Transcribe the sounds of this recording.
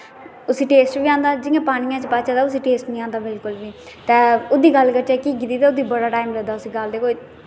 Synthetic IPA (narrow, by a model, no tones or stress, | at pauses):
ʊsiːʈeːsʈbiːãːnd̪aːd͡ʒɪãːpaːniːãːt͡ʃpaːt͡ʃaːd̪aːʊs̬iːʈeːsʈnĩːãːnd̪aːbɪlkʊlʋiː | t̪eːʊd̪iːɡəlkət͡ʃɛːkiɡɪd̪iːd̪aːʊd̪iːbəɽaːʈaːɪimləd̪aːʊsiːɡəld̪eːkoːi